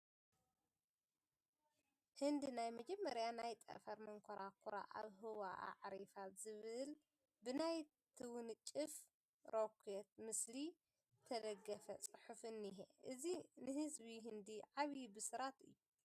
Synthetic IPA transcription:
hɨnd̪inajmɐd͡ʒɛmːɐɾjanajt̪ʼɐ̰fɐɾmɐŋkʰoɾakʰuɾa̰ʔa̰βɦɨwaʔa̰ʕɾifaz̥ɨβɨl | bɨnaj | t̪ʰɨwʊnɨt͡ʃʼːɨf | ɾokʷʰujɛt̪mɨsli | t̪ʰɐd̪ɐɡːɐfɐt͡sʼɨħufɨnːiɦḛʔɨzinɨhɨzβiɦɨnd̪iʕaβjibɨsɨɾat̪ɨ̰jːu

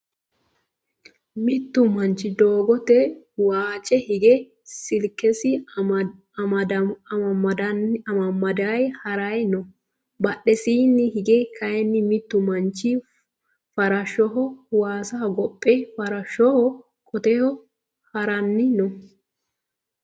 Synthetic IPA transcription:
mɪt̪ːʊmɐnt͡ʃːɪd̪oːɡɔt̪ɛ | waːt͡ʃʼɛhɪɡɛ | sɪlkːɛsɪ | ɐd̪ɐnɐmɐmːɐd̪ajhɐɾɐjnɔ | bɐɗɛsiːnːɪhɪɡɛkʰɐjɛnːɪmɪt̪ːʊmɐnt͡ʃːɪ | fɐɾɐʃɔɦɔwaːsɐɡɔpʼːɛfɐɾɐʃɔhɔ | kʼɔt̪ɛhɔ | hɐɾɐnːɪnɔ

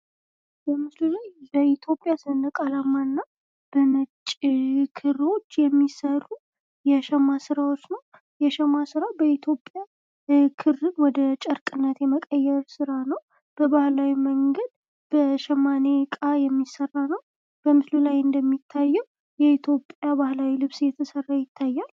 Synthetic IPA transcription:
bəmɨslulajbəit̪ʰjo̞pʼːjasɨɨnəkʼalamːaɨnːa | b̥əmət͡ʃʼkʰɨro̞t͡ʃːjɛmːisərːu | jɛʃɛmasɨɾawot͡ʃːnəw | jɛʃɛmasɨɾabəit̪ʰjo̞pʼːja | kʰɨrːɨnwɔd̪ət͡ʃʼəɾkʼɨnːət̪jɛməkʼəjːɛɾsɨɾanəw | b̥əbahlawiməŋɡəd̪ | b̥əʃɛmane̞kʼajɛmːisərːanəw | b̥əmɨslulajɨnd̪əmːit̪ʰːajːɛw | jɛit̪ʰjo̞pʼjabahlawilɨβsjɛt̪ʰəsərːajɪt̪ʰːajːal

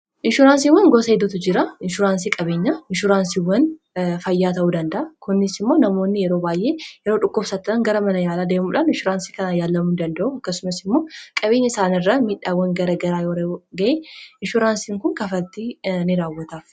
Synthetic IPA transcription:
ʔɪnʃʊɾaːns̬iːwɐŋɡosɐɛd̪ʊt̪ʊd͡ʒɪɾɐɪnʃʊɾaːnsiːkʼɐbe̞ːɲːɐɪnʃʊɾaːnsiwːɐn | fɐjːaːt̪ɐʔuːd̪ɐnd̪ɐʔɐkʊnːɪsɪmːo̞ːnɐmo̞ːnːɪjɛɾoːbaːjʔe̞ːjɛɾo̞ːᶑʊkːʊbsat̪ːɐᶑɐŋɡɐɾɐmɐnɐjaːlaːd̪e̞ːmuːᶑaːnɪnʃʊɾaːnsiːkɐnaːjaːlːɐmuːd̪ɐnd̪ɐʔuɐkːɐsʊmɐsɪmːo̞ːkʼɐbe̞ːɲːɐɪsaːnɪrːɐmiːᶑaːwːɐŋɡɐɾɐɡɐɾaːjoːɾɐɡɐʔeːɪnʃʊɾaːnsiːŋkʊŋkɐfɐlt̪ːinɪɾaːwːɐt̪af

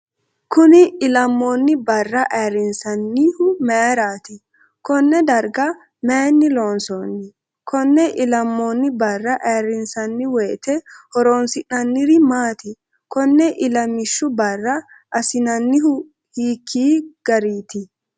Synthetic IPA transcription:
kʊnɪɪlɐmːoːnːɪbɐrːɐʔeːrːɪnsɐnːiːhʊmeːɾaːt̪ɪ | kɔnːɛd̪ɐɾɡɐ | meːnːɪloːnsoːnːɪ | kʰɔnːɛʔɪlɐmːoːnːɪbɐrːɐʔeːɾɪnsɐnːɪwɛːt̪ɛhɔɾoːnsɪnːɐnːɪɾɪmaːt̪ɪ | kɔnːɛʔɪlɐmɪʃːʊbɐrːɐ | ʔɐsɪnɐnːɪhʊ | hiːkʰːiːɡ̥ɐɾiːt̪ɪ

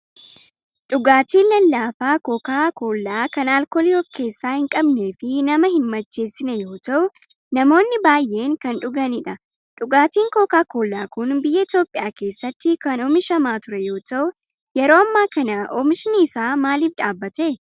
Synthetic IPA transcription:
ᶑʊɡaːt̪iːnːɐnlaːfaːkokaːko̞ːlːaːkɐnaːlkoːlɪoːfke̞ːsːaːhɪŋkʼɐbne̞ːfɪnɐmɐhɪnmɐt͡ʃːe̞ːsːɪnɛjo̞ːt̪ɐʔʊ | nɐmo̞ːnːɪbaːjʔe̞ːŋkɐnᶑʊɡɐnɪᶑɐ | ᶑʊɡaːt̪iːŋkoːkaːko̞ːlːaːkʊnbɪjːɐɪt̪jo̞ːpʼːɪjaːke̞ːsːɐt̪ːɪkɐnɔmɪʃɐmaːt̪ʊɾɛjo̞ːt̪ɐʔʊ | jɛɾo̞ːɐmːaːkɐnɐʔɔmɪʃɪniːsaːmaːliːfᶑaːbːɐt̪eː

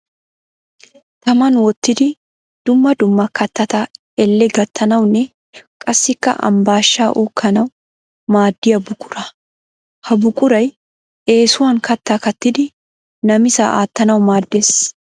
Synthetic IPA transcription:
t̪ɐmɐnwɔt̪ːɪd̪ɪ | d̪̥ʊmːɐd̪ʊmːɐkɐt̪ːɐt̪aː | ɛlːɛɡɐt̪ːɐnɐwnɛ | kʼɐsːɪkːɐ̰ʔɐ̰mbaːʃːaːʔuːkʰːɐnɐw | maːd̪ːɪɐbʊkʼʊ̥ɾɐ | hɐbʊkʼʊɾɐj | ʔeːsʊwaŋkɐt̪ːakɐt̪ːɪd̪ɪ | nɐmɪsa̰ːʔa̰ːt̪ːɐnɐwʊmaːd̪ːɛs

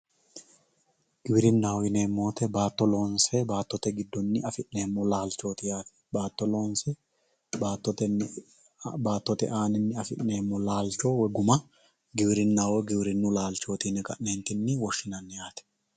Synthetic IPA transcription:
ɡ̥ɪbɪɾɪnːaːwɪneːmːo̞ːt̪ɛbaːt̪ːɔlo̞ːnsɛbaːt̪ːɔt̪ɛɡɪd̪ːɔnːɪɐfɪʔne̞ːmːɔlaːlt͡ʃːo̞ːt̪ɪjaːt̪ɛ̥baːt̪ːɔlo̞ːnsɛ | baːt̪ːɔt̪ɛ | baːt̪ːɔt̪ɛ̰ʔaːnɪnːɪɐfɪʔne̞ːmːɔlaːlt͡ʃo̞ːwɛɡʊmɐ | ɡɪbɪɾɪnːaːwɛɡɪbɪɾɪnːʊlaːlt͡ʃo̞ːt̪ɪnɛkʼɐ̰ʔneːnt̪ɪnːɪwɔʃːɪnɐnːɛjaːt̪ɛ̥

